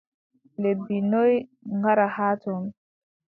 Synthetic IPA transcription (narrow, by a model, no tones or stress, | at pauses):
lebinɔjŋɡaɾahaːtɔn